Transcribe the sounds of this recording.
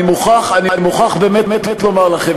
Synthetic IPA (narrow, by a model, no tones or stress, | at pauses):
imuχaχaninimuχaχbeːmetmetetlomaʁlaχev